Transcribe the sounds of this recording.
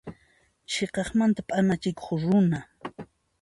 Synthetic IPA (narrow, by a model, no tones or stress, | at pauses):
t͡ʃeqɑχmant̪apʼanat͡ʃɪko̥χɾʊna